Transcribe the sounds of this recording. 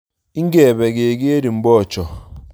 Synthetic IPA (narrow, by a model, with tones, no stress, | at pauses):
i˦ŋ˦ɡɛ˦˨βɛ˨ɡe˨ɡi˦e˦ɾi˨m̩˨bɔ˦˨t͡ʃɔ˨